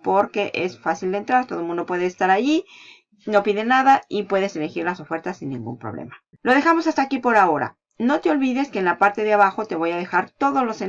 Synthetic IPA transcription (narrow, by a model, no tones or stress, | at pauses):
po̞ɾke̞ʔe̞sfasild̪ent̪ɾaɾt̪o̞ðomũnd̪o̞pwe̞ðeːst̪aɾaʝi | no̞piðe̞naðaipwe̞ðe̞se̞le̞xiɾlaso̞fe̞ɾt̪asinːḭ̃ŋɡṵmpɾo̰βlḛma | lo̞ðe̞xamo̞sast̪akipo̞ɾao̞ɾa̰ | no̞t̪eo̞lβiðe̞ske̞ːnlapaɾt̪e̞ðeaβaxo̞t̪e̞βojaðe̞xaɾt̪o̞ðo̞zlo̞se